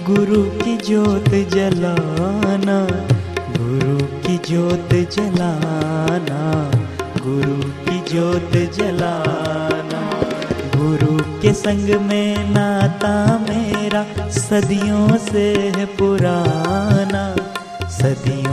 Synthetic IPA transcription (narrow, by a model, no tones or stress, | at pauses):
ɡʊɾukid͡ʒoːt̪d͡ʒɐlaːna | ɡʊɾukid͡ʒoːt̪d͡ʒɐlaːna | ɡʊɾukid͡ʒoːt̪d͡ʒɐlaːnaɡʊɾukesɐ̃ŋɡmẽnaːt̪ameːɾasɐd̪ijõseɦpʊɾaːna | sɐd̪ijõ